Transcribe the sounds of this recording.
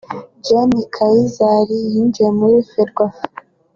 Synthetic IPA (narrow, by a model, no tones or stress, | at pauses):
d͡ʒenikʰaizaɾijind͡ʒiemuɾifeɾɡwa